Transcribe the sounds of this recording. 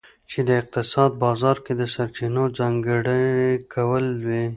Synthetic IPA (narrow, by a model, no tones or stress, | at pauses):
t͡ʃed̪əɪq̚t̪ɪsɑːd̪̚bɑːzɑːɾked̪əsaɾt͡ʃinod͡zɑŋɡəɽəkawəlwe